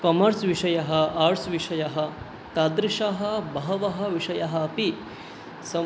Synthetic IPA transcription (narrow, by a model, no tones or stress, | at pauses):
kɐmɐɾsʋiʂɐjɐɦɐaːɾsʋiʂɐjɐɦɐ | t̪aːd̪ɾiʃaɦɐbɐɦɐʋɐɦɐʋiʂɐjɐɦɐpi | sɐ